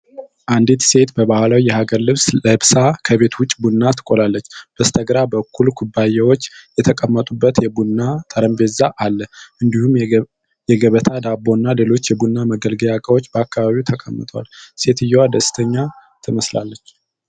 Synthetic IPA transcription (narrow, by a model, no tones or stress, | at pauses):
ʔand̪it̪se̞t̪bəβahlawijɛhaɡəɾlɨβsləhɨβsakʰəβe̞t̪wʊt͡ʃʼːbunːat̪ʰɨ̥kʼolalːət͡ʃːb̥əst̪ʰəɡɾabəkːulkʰubːajɛwo̞t͡ʃːjɛt̪ʰəkʼəmːət̪ʼubːət̪jɛbunːat̪ʼəɾəmbe̞zaʔalːəʔɨnd̪ihum | jɛɡəβət̪ʰad̪abːo̞nːalelo̞t͡ʃːjɛbunːaməɡəlɡəjakʼəwo̞t͡ʃːbəakːaβaβiwt̪ʰəkʼəmːɨ̰t̪ʼwa̰lse̞t̪ɨjːɛwad̪əst̪ʰəɲːa | t̪ʰɨməsla̰lːət͡ʃː